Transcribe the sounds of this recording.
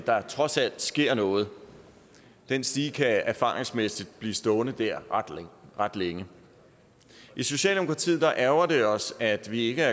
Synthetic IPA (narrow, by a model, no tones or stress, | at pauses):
d̥ɑ̈t͡sʰʁɒ̽sæl̰d̥sɡ̥e̝ɐ̰nɔ̽ːð̞̩ˠ | d̥ensd̥iːkʰææɐfɑ̰̈ʁeŋsmesid̥̚b̥liːsd̥ɔ̽ːnð̩ˠd̥æɐ̰̥ | ʁad̥leŋə | ʔiso̝ɕɛ̰ːld̥emo̝kʰʁɑ̈t͡sʰḭːð̰̩̥ˠɑ̈ʔæɐɐd̥e̝ɒ̽sæd̥ʋie̝ɡ̥əæɐ